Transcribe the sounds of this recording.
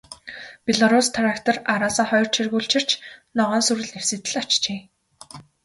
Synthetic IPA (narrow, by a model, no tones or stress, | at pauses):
pʲeɮaɾust̪ʰɾakt̪ʰĕraɾaːsaːχɔjr̥t͡ɕʰirɣuːɬt͡ɕʰɪ̆r̥t͡ɕnɔʁɔːnsuɾɘ̆ɮewsɘ̆t̪ɘ̆ɮḁt͡ɕt͡ɕeː